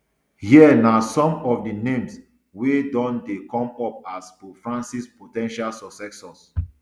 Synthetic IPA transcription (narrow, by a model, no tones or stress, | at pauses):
hiɛnasɔ̃mɔfdinẽms | wedɔ̃ndekɔ̃mɔp̚aspofɹãnsispotɛ̃nʃalsɔsɛksɔs